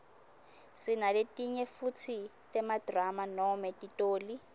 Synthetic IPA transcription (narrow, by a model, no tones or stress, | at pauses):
sinaletʼiɲɛfut͡sʰi | tʼɛmadramanɔmɛtʼitʼoːli